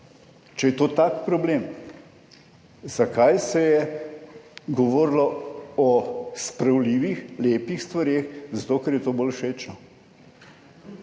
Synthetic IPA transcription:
t͡ʃɛjɛt̪oːt̪akpɾɔbleːm | zɐkajsɛjɛ | ɡɔʋɔːɾlɔɔspɾɐwliːʋixleːpixst̪ʋɐɾeːxzat̪oːkɛɾjɛt̪oːbolʃeːt͡ʃnɔ

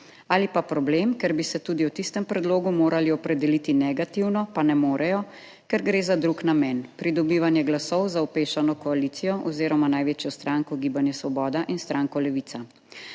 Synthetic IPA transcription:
alipapɾɔblemkɛɾbisɛt̪uːd̪iwt̪ist̪ɛmpɾɛd̪loːɡumoːɾaliɔpɾɛd̪ɛlit̪inɛɡat̪iwnɔpanɛmoːɾɛjɔ | kɛɾɡɾeːzad̪ɾuknamɛnpɾid̪ɔbiːʋanjɛɡlasɔwzawpeːʃanɔkɔaliːt̪sijɔʔɔ̰wziːɾɔmanajʋeːt͡ʃjɔst̪ɾaːŋkɔɡiːbanjɛsʋɔbɔːd̪aʔinst̪ɾʔaːŋkɔlɛʋit̪sa

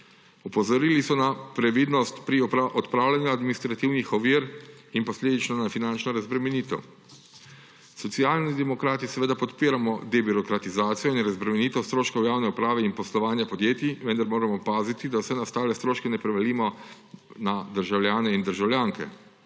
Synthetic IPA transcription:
ɔpɔzɔɾilisɔnapɾɛʋiːd̪nɔst̪pɾiɔʔɔt̪pɾaːwlʲanjuad̪minist̪ɾat̪iwnixɔʋiɾ | inpɔsleːd̪it͡ʃnɔnafinant͡ʃnɔɾazbɾɛmɛniːt̪ɛ̰w | sɔt̪siaːlnid̪ɛmɔkɾaːt̪isɛʋeːd̪apɔt̪piːɾamɔd̪ɛbiɾɔkɾat̪izaːt̪sijɔinɾazbɾɛmɛniːt̪ɛwst̪ɾoːʃkɔwjaːwnɛupɾaːʋɛinpɔslɔʋaːnjapɔd̪jeːt̪iʋɛnd̪aɾmoːɾamɔpaːzit̪id̪awsɛnast̪aːlɛst̪ɾoːʃkɛnɛpɾɛʋaliːmɔ | nad̪əɾʒawljaːnɛind̪əɾʒawlʲjaːŋkɛ̰

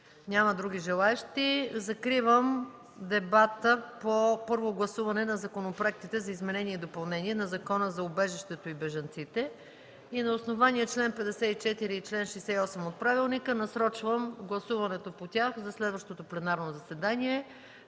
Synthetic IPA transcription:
nʲaməd̪ɾuɡ̟iʒɛlˠaɛʃt̪izɐkɾivəm | d̪ɛbat̪əpopɤɾvoɡlˠɐsuvɐnɛnɐzɐkonopɾoɛk̚t̪it̪ɛzɐizmɛnɛnʲiɛid̪opɐlˠnɛniɛnɐzɐkɔnəzɐobɛʒɛʃt̪ɛt̪oibɛʒɐnt̪sit̪ɛ | inɐosnovaniət͡ʃlɛnpɛd̪ɛsɛit͡ʃɛt̪iɾiːt͡ʃlɛnʃɛjsɛiɔsɛmot̪̚pɾavilˠnikənɐsɾɔt͡ʃvəmɡlˠɐsuvɐnɛt̪opot̪ʲaxzɐslɛd̪vəʃt̪ot̪oplɛnaɾnozɐsɛd̪anʲiɛ

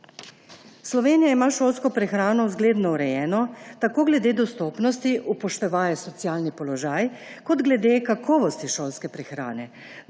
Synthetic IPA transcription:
slɔʋeːnijaimaːʃoːlskɔpɾɛxɾaːnɔwzɡleːd̪nɔuɾɛjɛːnɔt̪akoːɡlɛd̪eːd̪ɔst̪oːpnɔst̪iʔupɔʃt̪ɛʋaːjɛsɔt̪sijaːlnipɔlɔʒaːjkɔd̪ɡlɛd̪eːkakʰɔːʋɔst̪iʃoːlskɛpɾɛxɾa̰ːnɛ

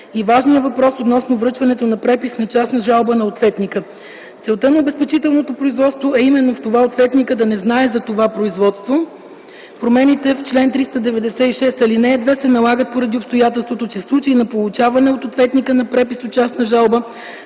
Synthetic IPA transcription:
ivaʒnijəvɐpɾɔsot̪nɔsnovɾɤt͡ʃvɐnɛt̪onɐpɾɛpisnɐt͡ʃasnɐʒalˠbənɐot̪vɛt̪nikə | t̪sɛlˠt̪ənɐobɛspɛt͡ʃit̪ɛlˠnot̪opɾoizvɔt̪st̪voɛimɛnːoft̪ovaot̪vɛt̪nikəd̪ɐnɛznaɛzɐt̪ovapɾoizvɔt̪st̪vo | pɾomɛnit̪ɛft͡ʃlɛnt̪ɾist̪əd̪ɛvɛd̪ɛsɛiʃɛst̪ɐlinɛːd̪vɛsɛnɐlˠaɡət̪̚poɾɐd̪iopst̪ojat̪ɛlˠst̪vot̪ot͡ʃɛfslˠut͡ʃəinɐpolˠut͡ʃavɐnɛot̪ot̪vɛt̪nikənɐpɾɛpisot̪̚t͡ʃasnɐʒalˠbə

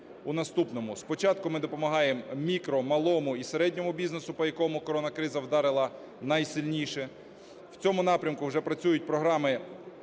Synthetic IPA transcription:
unɐst̪upnɔmʊspɔt͡ʃɑt̪̚kʊmɪd̪ɔpɔmɐɦɑjemmʲikɾɔmɐlˠɔmʊiseɾɛdʲnʲɔmʊbʲiznesʊpɔjɐkɔmʊkɔɾɔnɐkɾɪzɐwd̪ɑɾɪlˠɐ | nɑjsɪlʲnʲijʃɛ | wt͡sʲɔmʊnɑpɾʲɐmkʊwʒɛpɾɐt͡sʲujʊt̚ʲpɾɔɦɾɑmɪ

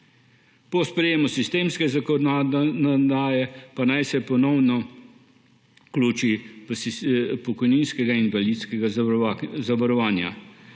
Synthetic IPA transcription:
pɔspɾɛjeːmɔsist̪eːmskɛzakɔnɔd̪aːjɛpanajsɛpɔnɔwnɔ | kluːt͡ʃispɔkɔjninskɛɡainbaliːt̪skɛɡa | zaʋɐɾɔʋaːnja̰

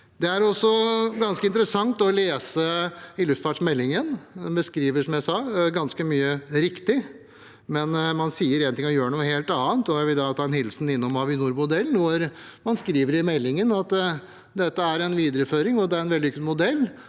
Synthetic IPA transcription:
d̪ɛæɾɔsɔɡɑnskəɪnt̪ɾəsɑŋt̪ɔleːsəɪlʉft̪fɑʈʂmɛlːɪŋənbəskɾiːʋəʂɔmjæɪsɑːɡɑnskəmyːəɾɪkt̪ɪ | mɛnmɑnsiːəɾent̪ɪŋːɔjøːɾənuːəheːlt̪ɑːənt̪ɔjæɪʋɪld̪ɑt̪ʰɑːɛnhɪllsn̩ɪnːɔmɑʋɪnuːɾmʊd̪ɛlːn̩ʋʊɾmɑnskɾiːʋəɾɪmɛlːɪŋənɑt̪ | d̪ɛt̪ːəæɾɛnʋiːd̪əɾəføːɾɪŋɔd̪ɛæɾɛnʋɛld̪ɪʏk̪mʊd̪ɛlː

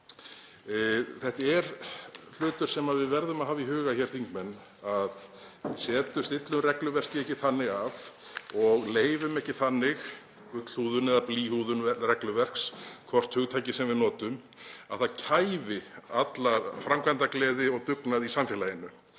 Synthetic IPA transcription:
θɛht̪aɛɾl̥ʏːt̪ʏɾ̥sɛmaðvɪðvɛɾðʏmaðɦaːviɦʏːɣaçɛːɾ̥θiŋkmɛnː | að | sɛːt̪ʏmst̪ɪt̪lʏmrɛklʏvɛr̥cɪɛhcɪθanːɪɣavɔɣleːjvʏmɛhcɪθanːɪx | ʏkl̥huːðʏnɛðapliːhuðʏnrɛklʏvɛr̥kskʰvɔr̥t̪hʏɣt̪ʰajcɪsɛmvɪðnɔːt̪ʏm | a̰ðθaðcʰaːjvɪat̪lafɾamkvant̪aklɛːðɪɔɣt̪ʏknaðisamfɛlajɪnʏ

